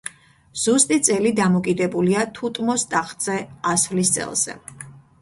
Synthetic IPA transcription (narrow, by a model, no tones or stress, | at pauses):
z̥ust̪ʼit̪sʼɛlid̪amɔkʼid̪ɛbuliat̪ʰut̪ʼmɔst̪ʼaχt̪ʼz̥ɛasvlist̪sʼɛ̰lˠz̥ɛ̰